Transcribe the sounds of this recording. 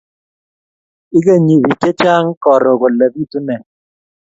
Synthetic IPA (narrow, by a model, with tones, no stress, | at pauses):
ɪ˦ka˦˨ɲi˨bi˨t͡ʃe˦t͡ʃa˦ŋ˦kɔ˨ɾo˨kɔ˨la˨bi˦tu˦nɛ˨